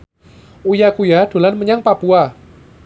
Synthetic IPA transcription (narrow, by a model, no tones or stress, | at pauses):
ujakujad̥o̤lanməɲaŋpapua